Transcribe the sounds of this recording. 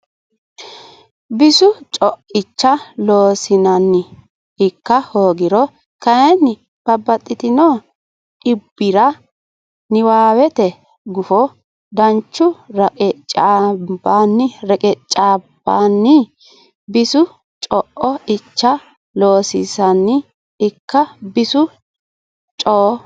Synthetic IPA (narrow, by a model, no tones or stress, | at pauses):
bɪsʊt͡ʃʼɔʔɪt͡ʃːɐloːsɪnɐnːɪ | ɪkːɐhoːɡɪɾɔ | kɐjɛnːɪ | b̥ɐbːɐt̪ʼːɪt̪ɪnoː | ʔɪbːɪɾɐ | nɪwaːwɛt̪ɛ | ɡʊfɔ | d̪ɐnt͡ʃːʊɾɐkʼɛt͡ʃʼaːbanːɪɾɛkʼɛt͡ʃʼːaːb̥anːɪ | bɪsʊ | t͡ʃʼɔʔɔɪt͡ʃːɐ | loːsɪsɐnːɪ | ɪkːɐbɪsʊ | t͡ʃʼoː